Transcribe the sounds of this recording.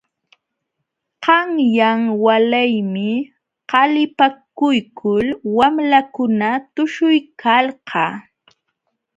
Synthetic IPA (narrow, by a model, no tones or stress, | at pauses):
qɑŋjaŋwalajmɪ | qɑlɪpakʊjkʰʊlwamlakʊnat̪ʊʃʊjkʰalɢɑː